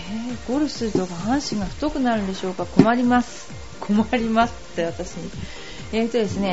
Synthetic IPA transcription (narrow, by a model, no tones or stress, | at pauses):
heːɡ̥o̞ɾɯ̟sɨɾɯ̟t̪o̞kahãɰ̃ɕĩŋɡaɸɯ̟̥t̪o̞kɯ̟naɾɯnd̪e̞ɕo̞ːkako̞maɾʲimasɨ̥ | kʰo̞maɾʲimasɨ̥t̪ːeβat̪aɕiɲ̟i | eːt̪o̞d̪e̞sɨne̞